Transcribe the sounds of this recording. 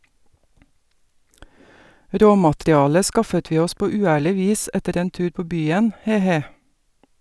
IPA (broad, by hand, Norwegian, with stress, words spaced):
ˈɾoːmɑtɾɪˌɑːlə ˈskɑfət ˈʋiː ˈɔs ˈpoː ʉːˈæːɭɪ ˈʋiːs ˈɛtəɾ ˈeːn ˈtʉːɾ ˈpoː ˈbyːən ˈheː ˈheː